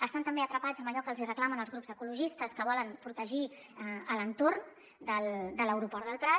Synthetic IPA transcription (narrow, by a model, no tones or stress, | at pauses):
əst̪ant̪əmbeət̪ɾəpad͡zəməʎɔkəlˠzirəklamənəlˠzɣɾupzəkuluʒist̪əskəβ̞ɔlənpɾut̪əʒi | ələnt̪orn | d̪əld̪ələwɾupɔɾðəlˠpɾa